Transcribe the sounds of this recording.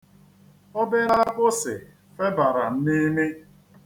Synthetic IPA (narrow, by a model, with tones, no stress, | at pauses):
ɔ˦bɪ˦ɾa˦k͡pʊ˦sɪ˨ | fe˦ba˨ɾa˨n̩˦ni˦mi˦